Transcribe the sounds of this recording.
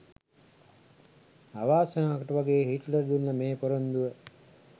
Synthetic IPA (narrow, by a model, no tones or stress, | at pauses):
aʋaːsənaːkəʈəʋaɡeːɦiʈləɾd̪unːɐmeːpoɾond̪uʋə